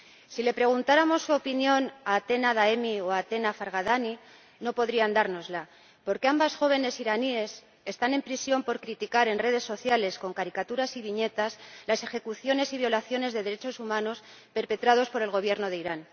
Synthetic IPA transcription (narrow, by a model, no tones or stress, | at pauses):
sile̞pɾe̞ɣ̞unt̪aɾamo̞sːuopinjo̞naːt̪e̞naðaemio̞at̪e̞nafaɾɣ̞aðani | no̞po̞ðɾiand̪aɾno̞zla | po̞ɾke̞ambasxo̞β̞e̞ne̞siɾanie̞s | e̞st̪ane̞mpɾisjo̞mpo̞ɾkɾit̪ikaɾe̞nre̞ð̞e̞sːo̞θjale̞sko̞ŋkaɾikat̪uɾasiβiɲe̞t̪aslase̞xe̞kuθjo̞ne̞siβjo̞laθjo̞ne̞zðe̞ðe̞ɾet͡ʃo̞sumãno̞s | pe̞ɾpe̞t̪ɾað̞o̞spo̞ɾe̞lɣo̞β̞je̞ɾno̞ðe̞iɾan